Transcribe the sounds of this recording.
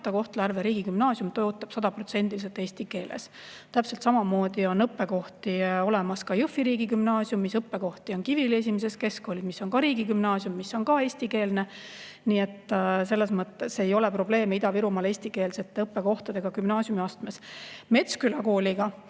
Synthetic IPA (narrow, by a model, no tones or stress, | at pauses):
t̪ɑko̞ht̪lærveɾiːɡikymnɑːsjumt̪ojot̪ːˑɑb̥sɑd̪̥ɑpro̞t̪se̞nʲd̪̥ilis̬et̪ːˑeːsʲt̪ike̞ːlḛs | t̪æpselt̪sɑmɑmo̞ːd̪̥io̞nɤpːe̞ko̞ht̪io̞le̞mɑskɑjɯfːiɾiːɡikymnɑːsjumːisɤpːe̞ko̞ht̪io̞nkivilie̞s̬ʲimes̬e̞ske̞skoːlʲid̪̥misːo̞nkɑɾiːɡikymnɑːsjumːisːo̞nkɑe̞ːsʲt̪ike̞ːlne̞ | niːe̞t̪ːse̞lːesmɤt̪ːesːejo̞lepro̞b̥le̞ːmeid̪ɑviɾumɑle̞ːsʲt̪ike̞ːlse̞t̪ːˑeɤpːe̞ko̞ht̪ɑd̪e̞ɡ̥ɑkymnɑːsjumiɑst̪mesme̞t̪skylɑko̞ːlʲiɡɑ